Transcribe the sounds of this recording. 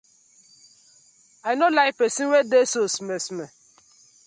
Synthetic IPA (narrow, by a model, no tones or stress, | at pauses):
aɪnolaɪpesinwedesosimesime